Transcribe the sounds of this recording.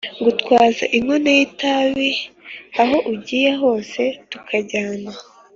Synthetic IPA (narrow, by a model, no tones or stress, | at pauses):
ɡutwaːza̰ʔiŋwunejitaβiaɦo̞ʔuɟiːjaɦo̞ːse̞tukʰaɟaːna